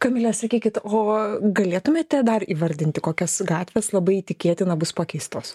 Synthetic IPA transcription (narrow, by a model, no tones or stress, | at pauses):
kɐmʲɪlʲɛsɐkʲiːkʲɪt̪oːɡɐlʲeːt̪ʊmʲeːt̪ʲːɛd̪ɐriːʋɐɾʲd̪ʲɪnʲt̪ʲɪkoːkʲɛsɡɑːt̪ʲʋʲeːslˠɐbɐɪit̪ʲɪkʲeːt̪ʲɪnɐbʊspɑːkʲɛɪst̪oːs